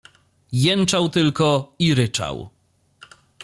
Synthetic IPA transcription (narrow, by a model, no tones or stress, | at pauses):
jɛnt͡ʂawt̪ɘlkɔiɾɘt͡ʂa̰w